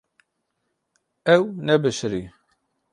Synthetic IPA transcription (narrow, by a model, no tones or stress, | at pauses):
æwnæbəʃɾi